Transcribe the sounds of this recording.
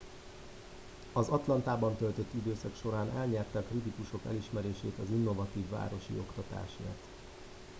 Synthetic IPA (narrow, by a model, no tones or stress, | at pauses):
ɒzɒt̪lɒnt̪aːbɒnt̪ølt̪øt̪ːid̪øːsɒkʃo̞ɾaːnɛlɲɛrt̪ɛkrit̪ikuʃo̞kɛ̰liʃmɛɾeːʃeːt̪ɒzinːo̞vɒt̪iːvːa̰ːɾo̞ʃḭo̞kt̪ɒt̪a̰ːʃḛːt̪